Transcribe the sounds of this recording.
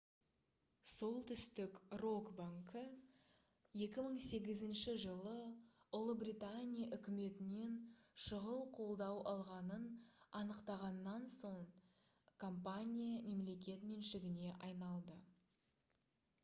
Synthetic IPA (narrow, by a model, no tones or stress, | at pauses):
so̞lˠt̪ʰʏst̪ɪkro̞kbaŋkə | je̞kʲɪməɴse̞ɡʲɪzɪnʃɪʒəlˠəʊlˠəbrʲijt̪anʲijaʔʏkʲɪme̞t̪ɪne̞nʃəʁəlˠqʰo̞lˠd̪ɑwɑlˠʁɑnənɑnəqt̪ɑʁɑnːɑnso̞ɴ | kʰompanʲijame̞mle̞kʲe̞t̪me̞nʃɪɡʲɪne̞ʔɑjnɑlˠd̪ə